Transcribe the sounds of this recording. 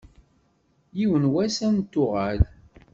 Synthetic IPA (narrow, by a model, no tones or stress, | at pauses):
jiwənwæsænt̪ːʊʁal